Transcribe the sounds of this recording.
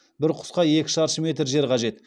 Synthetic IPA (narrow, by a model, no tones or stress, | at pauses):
bɪɾqʰʊ̥sqɑje̞kʲɪ̥ʃɑɾʃəme̞t̪ɾʒe̞ɾqʰɑʒe̞t̪